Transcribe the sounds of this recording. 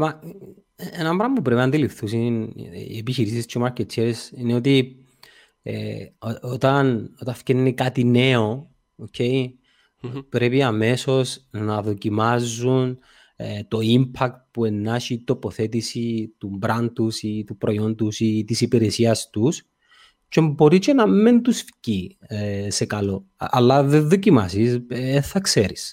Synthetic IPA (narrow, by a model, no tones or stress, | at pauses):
mɐ | enɐmbɾɐmpupɾepinɐnd̪ilifθusin̰epiçiɾisist͡ʃʰomɐɾcet͡sʰːeɾesineo̞t̪i | ḛoot̪ɐno̞t̪ɐfcennekat̪ine̞o̞ | ocʰe̞i | pɾe̞piɐme̞so̞snɐðo̞cimɐzːun | t̪o̞impʰɐk̚t̪̚pue̞nːɐʃit̪o̞po̞θe̞t̪isit̪umbɾɐnt̪usit̪upɾo̞jo̞nd̪usit̪isipiɾesiɐst̪us | t͡ʃembo̞ɾit͡ʃenɐmːe̞nt̪usfci | se̞kɐlo̞ɐ̰lːɐðeðocimɐsiseθɐkse̞ɾis